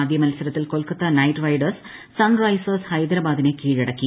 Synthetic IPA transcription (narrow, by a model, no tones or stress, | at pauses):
d̪ʱjɐmɐlsɐlɐt̪ːilkolkɐt̪ːɐnɐjʈʋɐjɖɐrsː | ɐnrɐjsɐshɐjd̪ɐɾɐbaːd̪inekiːɻɐɽɐkːi